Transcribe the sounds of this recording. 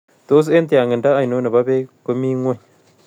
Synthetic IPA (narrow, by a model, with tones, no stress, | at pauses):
to˦s̬e˦nti˨a˨ŋɡə˨nda˦a˨jno˦na˨ba˦be˦ko˦mi˦ŋwe˦˨